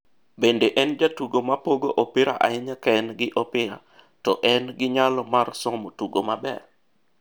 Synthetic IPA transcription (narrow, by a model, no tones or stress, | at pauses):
bendeʔɛnd͡ʒatuɡomapoɡoʔopɪɾaʔa̰ɪɲakɛnɡɪʔɔpɪɾa̰ | tɔʔɛnɡɪɲalɔmarsɔmotuɡomabɛ̰r